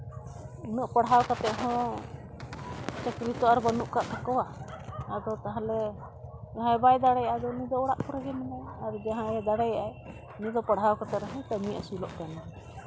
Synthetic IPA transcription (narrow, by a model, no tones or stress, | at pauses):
unəʔpəɽɦawkat̪ɛʔɦɔ̃ | t͡ʃət̪ɾit̪ɔaɾbanuʔkaʔt̪ʰakɔwaad̪ɔt̪aɦãlɛ | d͡ʒaɦãjbajd̪aɽɛjaʔad̪ɔnid̪ɔɔɽaʔkɔɾɛɡɛmanaaɾd͡ʒaɦãjɛd̪aɽɛjaʔaj | nid̪ɔpaɽɦawkat̪ɛʔ̪ɾaɦɔ̃t̪amiʔa̰silɔ̰ʔkana